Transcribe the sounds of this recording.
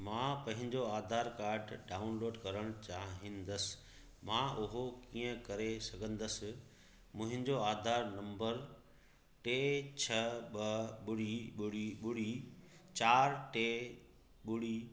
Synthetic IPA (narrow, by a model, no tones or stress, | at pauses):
mãːpɐ̃ɦɪ̃ɲd͡ʑoaːd̪ʱaːɾkaːɾʈɖaːʊnloːɖkɐɾəɽ̃ʊt͡ɕaːɦĩnd̪əsɪ̥ | mãːʔʊɦokiːə̃kɐɾesɐɡʱə̃nd̪əsɪ̆ | mʊ̃ɦɪ̃ɲd͡ʑoaːd̪ʱaːɾnɐ̃mbəɾ | ʈeːt͡ɕʰɐɓɐɓʊɽiɓʊɽiɓʊɽit͡ɕaːɾʈeː | ɓʊɽiː